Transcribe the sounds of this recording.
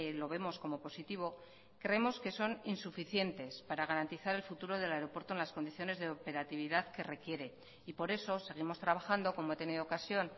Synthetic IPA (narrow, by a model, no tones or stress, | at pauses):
lo̞β̞e̞mo̞sko̞mo̞po̞sit̪iβ̞o̞ | kɾe̞emo̞ske̞so̞ninsufiθje̞nt̪e̞spaɾaɣ̞aɾant̪iθaɾe̞lfut̪uɾo̞ðe̞laeɾo̞pweɾt̪oenlasko̞nd̪iθjo̞ne̞zðe̞ope̞ɾat̪iβ̞iðaðke̞re̞kje̞ɾe̞ | ipo̞ɾe̞so̞se̞ɣ̞imo̞st̪ɾaβaxand̪o̞ko̞mo̞e̞t̪e̞niðookasjo̞n